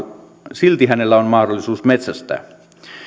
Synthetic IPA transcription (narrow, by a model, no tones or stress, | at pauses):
silt̪ihænelːæonmɑhdolːˑisuːsmet̪sæst̪æ̰ː